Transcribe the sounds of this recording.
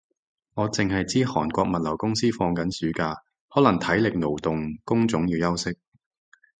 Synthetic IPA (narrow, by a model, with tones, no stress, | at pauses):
ŋɔː˨˧t͡sɪ˨ŋɦɐ˨jt͡siː˥hɔː˨˩nkʷɔː˧k̚mɐ˨t̚lɐ˨˩wkʊ˥ŋsiː˥fɔː˧ŋkɐ˨˥nsyː˨˥kaː˧ | hɔː˨˥lɐ˨˩ŋt̪ʰɐ˨˥jlɪ˨k̚no˨˩wt̪ʊ˨ŋkʊ˥ŋt͡sʊ˨˥ŋjiː˨˧wjɐ˥wsɪ˥k̚